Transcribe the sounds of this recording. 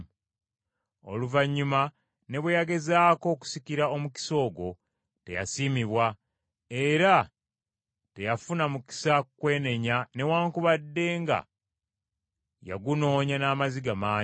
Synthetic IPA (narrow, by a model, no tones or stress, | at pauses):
o̞luvaɲːuma | ne̞βwejaɡe̞zaːko̞ːku̥sikiɾao̞muki̥so̞ːɡo̞ | te̞ja̰siːmiβwa | e̞ɾa | te̞jafunamuki̥sakkwe̞ːne̞ɲane̞waːŋkuβadːe̞ːŋɡa̰ | ja̰ɡuno̞ːɲanaːmaziɡamaː